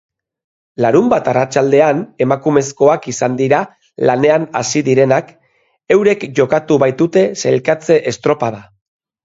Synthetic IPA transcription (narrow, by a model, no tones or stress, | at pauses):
laɾumbat̪arat͡ʃald̪e̞ane̞makume̞sko̞akisand̪iɾa | lane̞ana̰siðiɾe̞nak | e̞wɾe̞kʝo̞kat̪uβajt̪ut̪e̞selkat͡se̞ʔest̪ɾo̞pað̞a